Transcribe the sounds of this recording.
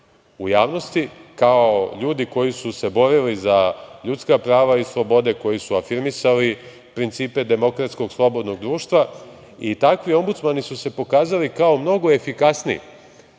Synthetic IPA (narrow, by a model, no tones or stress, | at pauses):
ujaːʋno̞st̪ikaoʎuːd̪iko̞jisuse̞bo̞ɾilizaʎut̪skapɾaːʋaislˠo̞bo̞d̪e̞ko̞jisuafiɾmisali | pɾint̪siːpe̞d̪e̞mo̞kɾat̪sko̞ɡslˠo̞bo̞d̪no̞ɡ̚d̪ɾuːʃt̪ʋa | it̪akʋio̞mbut̪smanisuse̞po̞kaːzalikao̞mno̞ɡo̞e̞fikasniḭ